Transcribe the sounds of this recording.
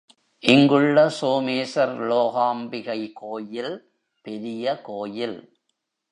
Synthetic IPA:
ʔɪŋɡɯɭːɐsoːmeːsɐɾloːɣaːmbɪɣɐɪkoːjɪl | pɛɾɪjɐkoːjɪl

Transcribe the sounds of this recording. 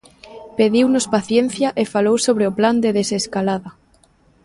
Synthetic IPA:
peðiwnʊspaθjen̟θjaʔefalowsoβ̞ɾeopland̪eðeseskalaða

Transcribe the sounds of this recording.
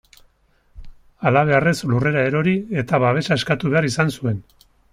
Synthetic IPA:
alaβ̞e̞are̞slure̞ɾae̞ɾo̞ɾie̞t̪aβaβ̞e̞ʃae̞skat̪uβe̞aɾisansue̞n

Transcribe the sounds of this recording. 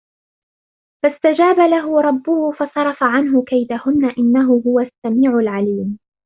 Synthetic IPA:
fast̪ad͡ʒaːbalaɦʊɾˤɑbːʊhʊfɑsˤɑɾˤɑfaʕanɦʊkajd̪ahʊnːaʔɪnːaɦʊɦʊwasːamiːʕʊlʕaliːm

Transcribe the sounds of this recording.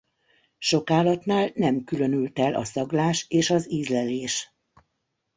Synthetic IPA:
ʃo̞kaːlɒt̪naːlnɛmkylø̞nylt̪ɛlʔɒ̰sɒɡlaːʃeːʃɒziːzlɛleːʃ

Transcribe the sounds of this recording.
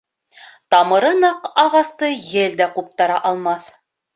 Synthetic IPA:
t̪ɑmɤ̆ɾɤnɑqɑʁɑst̪ɤjɘld̪æqup̚t̪ɑɾɑʔɑlˠmɑθ

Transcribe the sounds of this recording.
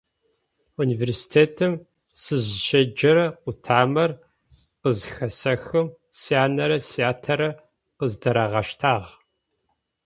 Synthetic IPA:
uniːveːrsi̥tʰeːtʰɨm | sɨʑʃɐd͡ʒɐɾɐqʷʊtʰaːmɐr | qəzxɐsɐxɨm | siaːnɐɾɐsiaːtʰɐɾɐ | qəzdɐɾaːʁɐʃtʰaːʁ

